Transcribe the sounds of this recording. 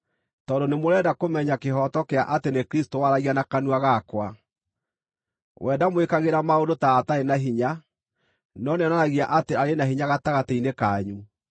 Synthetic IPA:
tɔːndonemoɾɛdakomɛɲakeɦɔtɔkeaʔatenekɾistowaɾaɣianakanuaɣakwa | wʔɛːdamwekaɣeɾamaondotaːtaenaɦiɲa | nɔneɔnanaɣiaʔateaɾenaɦiɲaɣataɣatainekaːɲu

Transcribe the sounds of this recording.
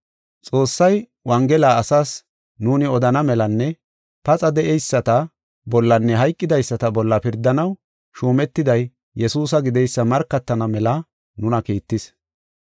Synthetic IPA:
t͡sʼo̞ːsːɐj | wɐŋɡɛlaːɐsaːs | nuːnɪɔd̪ɐnɐmɛlɐnːɛ | pɐt͡sʼɐd̪ɛʔɛjsːɐt̪ɐ | bɔlːɐnːɛɦɐjkʼːɪd̪ɐjsːɐt̪ɐbɔlːɐpɪɾd̪ːɐnɐw | ʃuːmɛt̪ːɪd̪ɐjː | ɛsuːs̬ɐɡɪd̪ɛjsːɐmɐɾkːɐt̪ːɐnɐmɛlɐ | nʊnɐkiːt̪ːɪs

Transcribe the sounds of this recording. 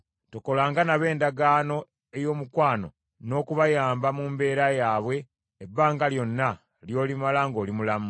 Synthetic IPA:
toko̞laːŋɡanaβe̞ːndaɡaːno̞ | e̞jo̞ːmukwaːno̞̰ | no̞ːkuβajaːmbamuːmbe̞ːɾajaːβwe̞ː | bːaːŋɡaljo̞nːa | ljo̞ːlimalaŋɡo̞ːlimulamu

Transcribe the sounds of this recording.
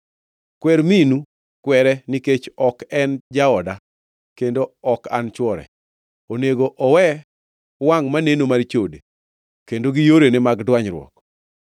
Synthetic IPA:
kwɛɾminu | kwɛɾɛniket͡ʃɔkɛnd͡ʒaɔda | kendoɔka̰nt͡ʃwɔɾɛ̰ | oneɡoʔɔwɛ | waŋmanenomart͡ʃode | kendoɡijoɾenɛmaɡdwaɲɾwɔ̰k

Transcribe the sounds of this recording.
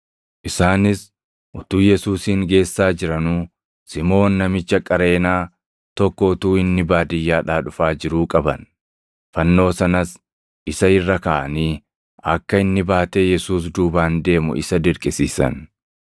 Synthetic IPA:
ʔɪsaːnɪs | ʔʊt̪uːjɛsuːsiːŋɡe̞ːsːaːd͡ʒɪɾɐnuː | sɪmo̞ːnːɐmɪt͡ʃːɐkʼɐɾe̞ːnaː | t̪ɔkːɔʊt̪uːɪnːɪbaːd̪ɪjːaːᶑaːᶑʊfaːd͡ʒɪɾuːkʼɐbɐ̰n | fɐnːo̞ːsɐnɐs | ʔɪsɐɪrːɐkaːʔɐ̰niː | ɐ̰kːɐɪnːɪbaːt̪e̞ːjɛsuːs̬d̪uːbaːnd̪e̞ːmʊ̰ʔɪsɐd̪ɪɾkʼɪsiːsɐ̰n

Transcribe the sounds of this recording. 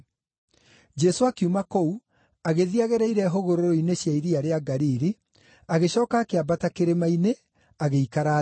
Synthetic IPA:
d͡ʒɛsoakiumakou | aɣeðiaɣɛɾaiɾɛɦoɣoɾoɾoineɕjaiɾiaɾeaɡaɾiɾi | aɣeɕɔːkaːkeabatakeɾemaine | aɣeikaɾa

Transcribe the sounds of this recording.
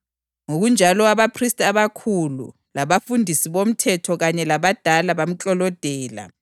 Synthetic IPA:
ŋoɣund͡ʒʱalɔaβapʰristʼaβakʰulṵ | laβafundʱisiβom̩tʰɛtʰɔɣaɲɛlaβad̥ʱalaβam̩t͡ɬʼɔlɔd̥ʱɛːla̰

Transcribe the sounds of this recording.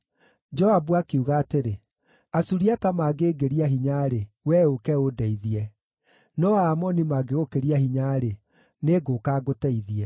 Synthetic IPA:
d͡ʒɔabuakeuɣaːteɾe | asuɾiatamaːɡeːɡeɾiaɦiɲaɾe | wɛokɛodɛiðiɛ | nɔaːmɔnimaːɡeɣokeɾiahiɲaɾe | neɡoːkaːɡotɛiðiɛ

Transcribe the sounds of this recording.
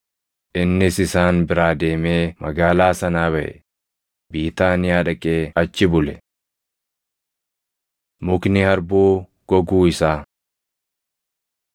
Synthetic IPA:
ʔɪnːɪsɪsaːnbɪɾaːd̪e̞ːmeːmɐɡaːlaːsɐnaːβɐʔɛ̰ | biːt̪aːnɪjaːᶑɐkʼeːɐt͡ʃːɪbʊlɛ | mʊknɪhɐɾbuː | ɡ̥ɔɡuːɪsaː

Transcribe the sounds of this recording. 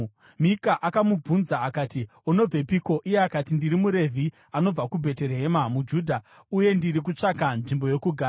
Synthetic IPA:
mikaʔakamub͡vunzaːkaːti | ono̞b͡vepiko̞ʔijeakatindiɾimuɾe̞vʱi | ano̞b͡vakubʱe̞te̞ɾeɦe̞mamud͡ʒuːdʱa | uje̞ndiɾik̬ut͡ʂakanʐimbo̞jo̞kuɡʱaː

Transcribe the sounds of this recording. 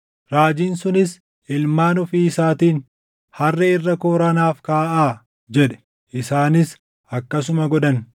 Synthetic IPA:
ɾaːd͡ʒiːnsʊnɪs | ɪlmaːnʊfiːsaːt̪iːn | hɐrːɛɪrːɐkoːɾɐnaːfkaːʔaː | d͡ʒɛᶑɛ̥ | ʔɪsaːnɪs | ɐkːɐs̬ʊmɐɡɔᶑɐn

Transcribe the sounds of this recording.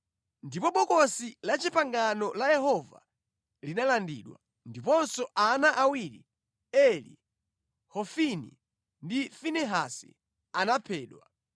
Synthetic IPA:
ndipɔɓɔkɔsilat͡ʃipaŋɡanɔlajɛɦɔva̰ | linalandḭɗwa̰ | ndipɔnsɔʔanaʔawiɾḭ | ɛlḭ | hɔfinḭ | ndifinɛɦasḭ | anapʰɛːɗwa

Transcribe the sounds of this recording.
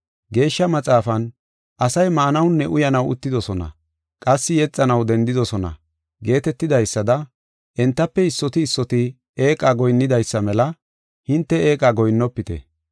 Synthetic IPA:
ɡe̞ːʃːɐmɐt͡sʼaːfɐn | ʔɐsɐjmaːnɐwnːɛʔʊjɐnɐwʊ̰t̪ːɪd̪ɔsɔnɐ̰ | kʼɐsːɪjɛt͡sʼːɐnɐwd̪ɛnd̪ɪd̪ɔsɔnɐ̰ | ɡe̞ːt̪ɛt̪ːɪd̪ɐjsːɐd̪ɐ | ʔɛnt̪ːɐpːɛɪsːɔt̪ɪːsːɔt̪ɪ | eːkʼaɡɔjnːɪd̪ɐjsːɐmɛlɐ | hɪnt̪ːɛe̞ːkʼaɡɔjnːɔpːɪt̪ɛ̰

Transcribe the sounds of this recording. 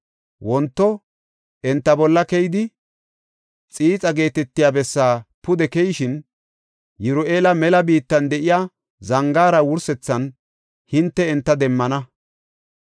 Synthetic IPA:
wɔnt̪ːɔ | ʔɛnt̪ːɐbɔlːɐkɛjɪd̪ɪ | t͡sʼiːt͡sʼɐɡe̞ːt̪ɛt̪ːɪjaːbɛsːaːpʊd̪ɛkɛjɪʃɪn | jɪɾʊʔeːlɐmɛlɐbiːt̪ːɐnd̪ɛʔɪjaː | zɐŋɡaːɾɐwʊɾsɛt͡sːɐn | hɪnt̪ːɛɛnt̪ːɐd̪ɛmːɐnɐ

